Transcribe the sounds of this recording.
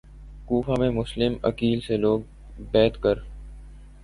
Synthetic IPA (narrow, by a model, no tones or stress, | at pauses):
kuːfamẽmʊslɪmɐ̰kiːlseloːɡ̚ | bɛːt̪kəɾ